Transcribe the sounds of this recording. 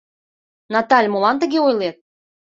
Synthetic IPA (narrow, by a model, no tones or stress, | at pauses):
nɑt̪ɑlʲmolɑnt̪ə̆ɣeojlet̪̚